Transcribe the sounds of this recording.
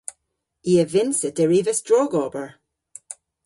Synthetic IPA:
iːəvɪnsəd̥əɹiːvəstɹɔɡɔbəɹ

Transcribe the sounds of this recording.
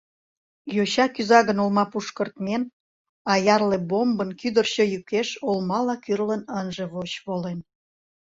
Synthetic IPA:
joɕɑkyzɑɣənolmɑpuʃkərt̪men | ɑjɑrlebombənkyd̪ərɕəjykeʃolmɑlɑkyrlənənʒe̽βot͡ɕβolen

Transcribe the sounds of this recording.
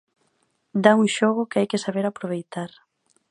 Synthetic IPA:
d̪auŋʃoɣ̞ʊkajkɪsaβeɾapɾoβ̞ejt̪aɾ

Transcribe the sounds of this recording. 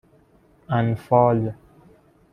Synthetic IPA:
anfɔlja

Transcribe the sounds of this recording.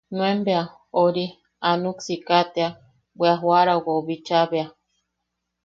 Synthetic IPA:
nw̃embea | oɾi | anuksikat̪ea | bʷeaɦwaɾawaoβit͡ʃaβea

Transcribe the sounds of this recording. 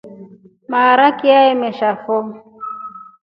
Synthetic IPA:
maɾakiaemɛʃafo

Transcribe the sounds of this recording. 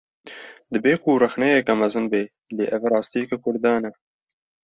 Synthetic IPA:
d̪ɨbeːkurɛxnɛjɛkɛmɐzɨnbeː | leːʔɛvæɾɑːst̪iːɛkɛkʰʊɾd̪ɑːnɛ

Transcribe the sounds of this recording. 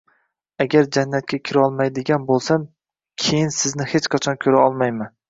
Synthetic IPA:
aɡʲaɾd͡ʒanːat̪̚kʲakʲʰɪɾɒlˠmajd̪ɪɡʲanbolˠsam | kʲʰejɪnsɪznɪhet͡ʃqʰɑt͡ʃʰɒnkʲʰɵɾaɒlˠmajman

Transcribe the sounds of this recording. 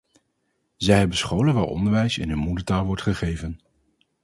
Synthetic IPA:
zɛjɦɛbənsχowlənʋaːɹɔ̰ndəɹʋɛjsɪ̰nɦɵnmudətaːlˠʋɔɹtχəχejvən

